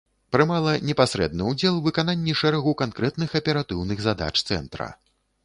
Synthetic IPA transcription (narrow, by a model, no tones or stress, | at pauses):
pɾɨmalˠɐnʲɛpasɾɛ̰d̪̚nɨud͡zʲɛlˠvɨkananʲːiʂɛɾɐɣukankɾɛt̪nɨxɐpʲɛɾat̪ɨwnɨɣzad̪a̰t͡ʂt̪sɛ̰nt̪ɾɐ̰